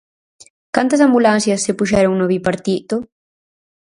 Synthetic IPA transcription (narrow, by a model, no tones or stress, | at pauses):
kant̪ɐsambulãnsjɐsːepuʃɛɾoŋnoβipaɾt̪it̪o